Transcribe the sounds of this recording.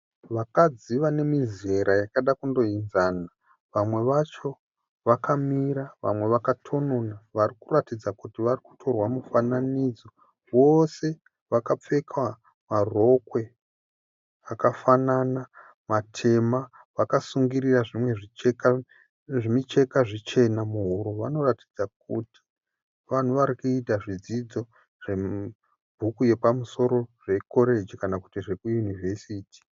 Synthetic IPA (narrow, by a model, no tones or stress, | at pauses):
ʋakad͡ziʋane̞mize̞ɾajakaɗakundo̞inzana | ʋamwe̞ʋat͡ʃo̞ | ʋakʰamiɾaʋa̰mwe̞ʋakatʰo̞no̞naʋarikuratid͡zakutiʋariku̥tʰo̞rwamufananid͡zo̞ | wo̞se̞ | ʋakap͡fe̞kʰwa | maro̞kwe̞ | akafanana | matʰe̞ma | ʋakasuŋɡiriraʐimwe̞ʐieka | ʐimit͡ʃe̞kaʐit͡ʃe̞namuɦuɾoʋano̞rati̥d͡zak̚uti̥ | ʋan̤uʋaɾikuitaʐid͡zid͡zo̞ | ʐ̥e̞ | bʱukuje̞pamuso̞ɾo̞ʐe̞ko̞ɾe̞d͡ʒikanakutiʐekujunive̞siːtʰi̥